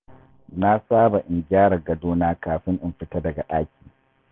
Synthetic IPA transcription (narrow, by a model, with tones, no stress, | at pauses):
na˦saː˦ba˨ʔɪ˨ŋɡʲɪaː˦ɽɐ˨ɡɐ˨doː˦naː˦kaː˨ɸɪ˦ŋʔɪ˨mɸɪ˦tɐ˦dɐ˨ɡa˨ɗaː˦kʲi̥ː˨